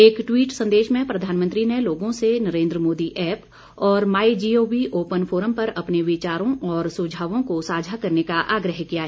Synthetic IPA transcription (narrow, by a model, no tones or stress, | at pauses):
eːkʈwiːʈsɐ̃nd̪eːʃmẽpɾɐd̪ʱaːnmə̃nt̪ɾineloːɡõsenɐɾẽːnd̪ɾəmoːd̪iʔɛːp | ɔːɾmaːid͡ʒioːʋiʔoːpənfʰoːɾəmpɐɾɐpneʋɪt͡ʃaːɾõʔɔːɾsud͡ʒʱaːʋõkosaːd͡ʒʱakɐɾnekaʔaːɡɾəɦkijaɦɛː